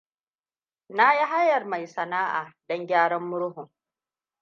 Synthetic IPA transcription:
na˦ji˦ɦa˦jːɐ˨rma˨jsɐ˨naː˦ʔa̰ː˨dɔ˦ŋɡʲaː˦ɽɔ˦mːʊ˦ɽʊ˦ɦʊ˨ŋ

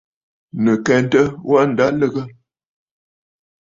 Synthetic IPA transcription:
nə˨kɛ˨n˦tə˦wa˦n̩˨da˦lə˦ɣə˦

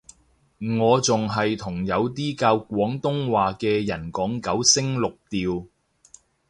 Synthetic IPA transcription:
ŋɔː˨˧t͡sʊ˨ŋɦɐ˨jt̪ʰʊ˨˩ŋjɐ˨˧wt̪̬iː˥kaː˧wkʷɔː˨˥ŋt̪ʊ˥ŋwaː˨kɛː˧jɐ˨˩nkɔː˨˥ŋkɐ˨˥wsɪ˥ŋlʊ˨k̚t̪iː˨w

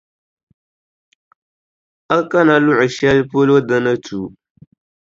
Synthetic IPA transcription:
a˦ka˦na˨lʊ˦ʔʊ˨ʃɛ˦lpo˦lo˦da˦na˦tu˨

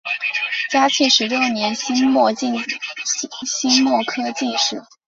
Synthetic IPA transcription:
t͡ɕja˥t͡ɕʰi˥˩nʂɻ̩˧˥ljo˥˧njɛ˧˥nɕi˥nmwɔ˥˧t͡ɕi˥˧ | ɕi˥nmwɔ˥˩kʰɤ˥t͡ɕi˥˧nʂɻ̩˥˩

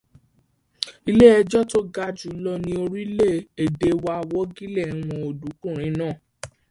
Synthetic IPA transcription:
i˧le˦ɛ˧d͡ʒɔ˦to˦ɡa˧d͡ʒu˨˦lɔ˧nĩ˧o˧ɾi˦le˦˨e˨de˨˦wa˧˨wɔ˦ɡi˦lɛ˦˨˦w̃ɔ̃˧o˨du˨˦kũ˦˨ɾ̃ĩ˨˧˦nãː˦˨

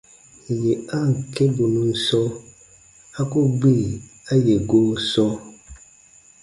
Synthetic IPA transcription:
je˨a˦˨ŋ̩˨ke˦bu˨nũ˨˦sɔ˦ | a˦ko˦ɡ͡bi˦˨a˦je˨ɡo˦sɔ˦

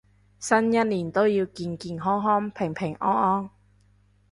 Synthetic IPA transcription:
sɐ˥njɐ˥t̚liː˨˩nt̪o˥wjiː˧wkiː˧nkiː˧nɦɔː˥ŋɦɔː˥ŋpʰɪ˨˩ŋpʰɪ˨˩ŋʔɔː˥ŋɔː˥ŋ

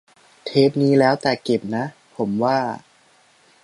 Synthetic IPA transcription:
t̪ʰeː˦˥p̚niː˦˥lɛː˦˥wt̪ɛ˨˩ke˨˩p̚na˦˥ | pʰo˩˦mwaː˥˩

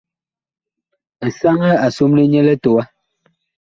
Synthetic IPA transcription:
sa˦ŋɛ˦a˨su˦mli˦ɲɛ˦lɛ˦to˨a˦

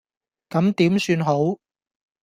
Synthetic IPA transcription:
kɐ˨˥mt̪iː˨˥msyː˧nɦo˨˥w

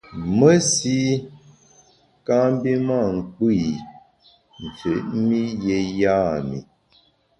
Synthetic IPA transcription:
mə˦si˦ | kã˦m˦bi˦ma˦˨ŋ̩˨k͡pi˦˨ | n̩˨t͡se˨˦ʔmi˦je˨ja˦˨mḭ˨

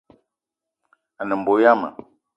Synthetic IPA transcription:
a˨nə˨m̩˨bo˨˦ja˦mə̰˨

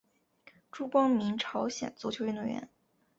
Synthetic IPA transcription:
ʈ͡ʂu˥kwɑ˥ŋmi˧˥ŋʈ͡ʂʰɑ˧˥ʊɕjɛ̰˨˩nt͡sɔ˧˥t͡ɕʰjo˧˥ɥɛ˥˧no˥˩ɥɛ̰˧˥n

